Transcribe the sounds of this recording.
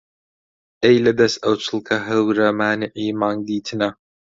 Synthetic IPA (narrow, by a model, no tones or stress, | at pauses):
ʔejlɐd̪ɐsʔɐwt͡ʃʰɨlˠkʰɐɦɐwɾɐmaːnɪʕiːmaːŋd̪iːt̪ʰɨnɐ